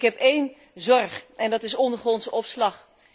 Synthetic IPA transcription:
kɦɛpejn | zɔrχɛndɑtɪsɔndəχɔnsɔpslɑχ

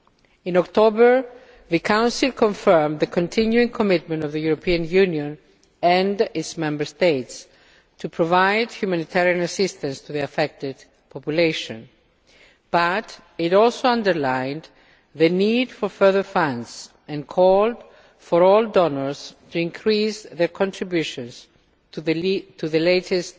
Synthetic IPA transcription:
ĩnɔkt̪obə˞ | ðɨkʰãʊ̃nsilˠkʰõɱfɜ˞mðəkʰõntʰĩnjuĩŋkʰomɪtmə̃ntɔvðəjuɾopʰiãnjʉnjõn | ɛ̃ndɪtsmɛ̃mbə˞st̪eɪts | tʰupʰɹovajdçjumãnit̪ʰɛɹiãnasɪst̪ə̃nst̪uðiafɛk̚tɪd | pʰɔpjuleɪʃõn | b̥at | ɪɾɔlsoãndəɹlãj̃n | ðənidfɔfɜ˞ðə˞fãndz | ɛ̃nkʰɔld̥ | fɔɾɔldɔnəɹz̥tuĩŋkʰɾisðəɹkʰɔ̃ntʰɹibjuʃɔ̃ns | tʰuðəleɪtɪst

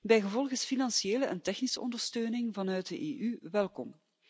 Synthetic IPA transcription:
bɛjɣəvɔlˠɣəsfinɑnsieːləʔɛ̰ntɛxnisəɔ̰ndərstøːnɪŋvɑnœɥt̚dəʔeːʔyʋɛlˠkɔm

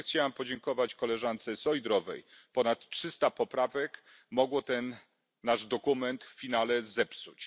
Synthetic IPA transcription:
t͡ɕawampɔd͡ʑɛŋkɔvat͡ɕkɔlɛʐant̪sɛsɔjd̪ɾɔvɛ̰jpɔnat̪ʂɘst̪apɔpɾavɛk | mɔɡwɔt̪ɛnː | aʐd̪ɔkumɛnt̪ffʲinalɛzɛpsut͡ɕ

